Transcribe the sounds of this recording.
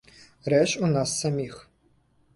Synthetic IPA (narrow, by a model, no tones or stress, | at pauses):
rɛɕunasːɐmiːx